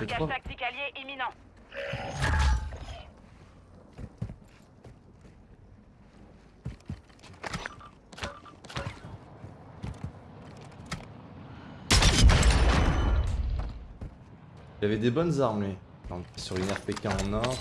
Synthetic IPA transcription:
set̪aχwaak̚t̪ikʲaljeʔiminɑ̃ | ilavɛd̪ebɔnzaʁme | kɑ̃ɛsyʁynɛʁpekʲɛ̃ɑ̃nɔʁ

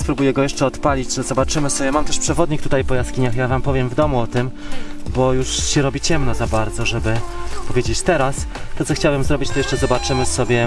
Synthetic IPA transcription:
spɾubujɛɡɔjɛʂt͡ʂɛɔt̪palʲid͡ʑʐɛzɔbat͡ʂɘmɘsɔbʲjɛmamt̪ɛʂpʂɛvɔd̪ɲikt̪ut̪ajpɔjaskʲiɲaxjavampɔvʲjɛmvd̪ɔmuɔt̪ɘmbɔjuʂɕɛɾɔbʲit͡ɕɛmnɔzabaɾd̪zɔʐɛbɘpɔvʲjed͡ʑet͡ɕt̪ɛɾast̪ːɔt̪sɔxt͡ɕawɘmzɾɔbʲit͡ɕt̪ɔjɛʂt͡ʂɛzɔbat͡ʂɘmɘsɔbʲjɛ

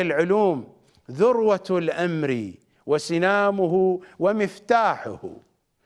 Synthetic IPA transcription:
ɪlʕʊluːm | ðʊɾwalʔamɾi | wɪsɪnaːmʊɦwɪmɪft̪aːħʊ̰h

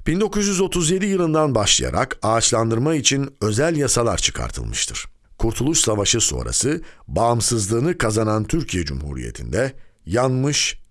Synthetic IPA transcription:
b̥ind̪o̞kuzjyzo̞t̪ʰuzje̞d̪ijɯlˠɯnd̪anbaʃlˠɯ̰ja̰ɾʔa̰kaːt͡ʃlˠand̪ɯɾmait͡ʃʰinø̞zælʲjasalˠa̰ɾt͡ʃʰɯ̥kʰa̰ɾt̪ʰɯ̰lˠmɯʃt̪ʰɯ̰ɾ̥ | kʰuɾt̪ʰulˠuʃsavaʃɯso̞̰ɾʔa̰sɯbaːmsɯzlˠɯːnɯkʰazanant̪ʰyɾcʰijɛd͡ʒṵmhṵːɾḭjḛt̪ʰḭnd̪ɛjanmɯʃ

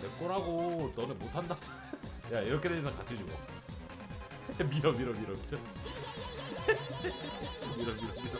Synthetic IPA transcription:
tek͈ʌɾɦaɡotʌnɯnmotʰanda | jaiɾʌkʰe̞deɯnsʰʌnkat͡ɕʰid͡ʑuɡo̰ | miɾʌmiɾʌmiɾʌmiɾʌ | miɾʌmiɾʌs͈ɯmid

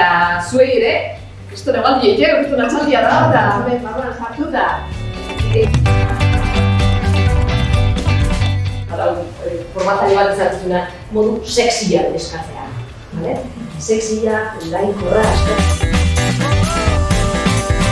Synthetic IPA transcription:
t̪asue̞jeɾe̞ | est̪onamald̪iejt̪erɣust̪uonat͡sald̪iaðaat̪aemembaɾoansaɾt̪ut̪a | it̪ea | aɾaw | foɾmat̪aɾeβat̪isak̪isuna | mo̞ðuse̞ksiʎaeskat͡se̞a̰ | balese̞ksiʎaɡajnkoraeste

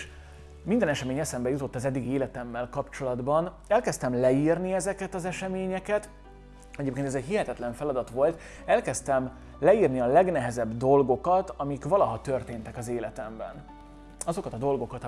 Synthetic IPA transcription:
ʃ | mind̪ɛnɛʃɛmeːɲɛsɛmbɛjut̪o̞t̪ːɒzɛd̪ːiɡieːlɛt̪ɛmːɛlkɒpt͡ʃo̞lɒd̪bɒn | ɛlkɛst̪ɛmlɛirniɛzɛkɛt̪ɒzɛʃɛmeːɲɛkɛt̪ | ɛɟeːpkeːnɛzɛɟhiɦɛt̪ɛt̪lɛɱfɛlɒd̪ɒt̪ʋo̞lt̪ | ɛlkɛst̪ɛm | lɛirniɒlɛɡnɛɦɛzɛbd̪o̞lɡo̞kɒt̪ɒmikʋɒlɒɦɒt̪ørt̪eːnt̪ɛkɒzeːlɛt̪ɛmbɛ̰n | ɒzo̞kɒt̪ɒd̪o̞lɡo̞kɒt̪

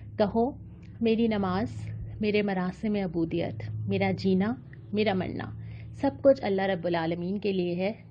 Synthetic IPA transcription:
kɐɦo | meːɾinɐmaːz̥meːɾemɐɾaːsemẽɐbuːd̪ijə̰t̪meːɾad͡ʒiːna | meːɾamɐ̰ɳːa̰ːsɐb̚kʊt͡ʃʰɐlːaɦɾɐbːʊlaːləmiːnkelieɦɛ

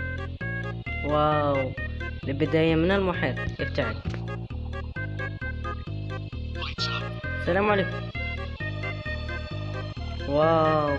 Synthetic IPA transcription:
wawlɪbɪd̪aːjamɪnalmʊħeːɾʔɪft̪aʕil | salaːmʕaleːkʊm | waw

